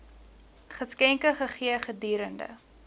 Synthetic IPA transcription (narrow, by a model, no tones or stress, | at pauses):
χəskɛŋkəχəχiəχədiːɾəndə̰